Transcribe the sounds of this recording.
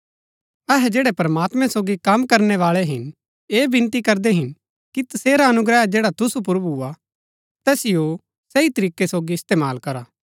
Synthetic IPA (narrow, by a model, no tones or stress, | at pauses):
ɛɦɛd͡ʒeːɽɛpɐɾɐmaːt̪mɛ̃soːɡikɐmkɐɾnɛʋaːɭɛɦɪn | eːbɪ̃nt̪ikɐɾd̪eɦɪn | kit̪ɐseːɾaɐnʊɡɾɛːd͡ʒeːɽat̪ʊsup̬ʊɾbua | t̪ɛːsɪjo | sɛit̪ɐɾiːkesoːɡiɪst̪eːmaːlkɐɾaː